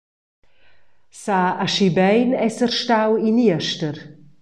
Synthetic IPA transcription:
saːaʃibɛjnɛsərʃtawiniəʃtər

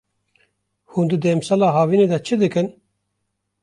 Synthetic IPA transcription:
hund̪ɨd̪emsalɑːɦɑːviːned̪ɛt͡ʃʰɨd̪ɨkɨn

